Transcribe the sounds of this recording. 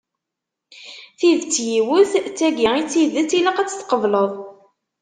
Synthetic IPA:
θiðt͡sːjiwʊθt͡sːæɡəit͡sːiðət͡sːilæqæt͡sːθqəvləðˤ

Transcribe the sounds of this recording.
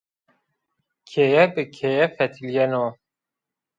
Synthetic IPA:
kʰejɛbɨkʰejɛfɛt̪ʰiljɛno

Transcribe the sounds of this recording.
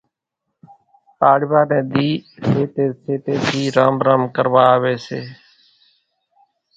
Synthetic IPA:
aːɽʋaːnɛ̃ːd̪iːseːt̪eːseːt̪eːt̪ʰiːɾaːmɾaːmkəɾʋaːʋeːsḛː

